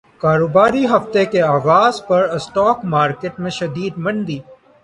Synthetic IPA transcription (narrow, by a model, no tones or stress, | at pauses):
kaːɾoːbaːɾiɦɐft̪ekeaːʋaːzpɐɾsʈɔːkmaːɾkeʈmẽʃɐd̪iːd̪mɐnd̪iː